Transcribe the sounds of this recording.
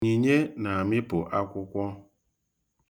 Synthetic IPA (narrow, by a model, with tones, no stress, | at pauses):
i˨ɲe˦na˨a˨mɪ˦pʊ˨ʔa˦kʷʊ˦kʷɔ˦